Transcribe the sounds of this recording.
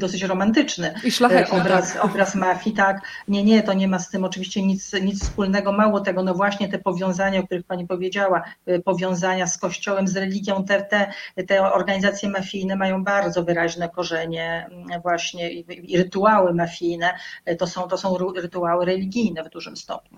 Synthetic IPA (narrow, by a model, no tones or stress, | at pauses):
d̪ɔs̬ɘt͡ɕɾɔmant̪ɘt͡ʂnɘʃaɛɔbɾasɔbɾasmafʲjit̪ak | ɲɛɲɛt̪ɔɲɛmast̪ɘmɔt͡ʂɘvʲiɕt͡ɕɛɲit̪sɲit̪sfspulnɛɡɔmawɔt̪ɛɡɔnɔvwaɕɲɛt̪ɛpɔvʲjɔ̃w̃zaɲaɔk̚t̪uɾɘxpaɲipɔvʲjed͡ʑawapɔvʲjɔ̃w̃zaɲaskɔɕt͡ɕɔwɛmzɾɛlʲiɡʲjɔ̃w̃t̪ɛt̪ɛt̪ɛɔɾɡaɲizat̪sʲjɛmafʲjijnɛmajɔ̃w̃baɾd̪zɔvɘɾaʑnɛkɔʐɛɲɛ | vwaɕɲɛiɾɘt̪uawɘmafʲijnɛt̪ɔsɔ̃w̃t̪ɔsɔ̃w̃ɾɾɘt̪uawɘɾɛlʲiɡʲijnɛvd̪uʐɘmst̪ɔ̰pɲu